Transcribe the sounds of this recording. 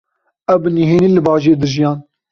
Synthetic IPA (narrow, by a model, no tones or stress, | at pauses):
ɛwbɨniɦeːniːlɨbɑːʒeːd̪ɨʒijɑːn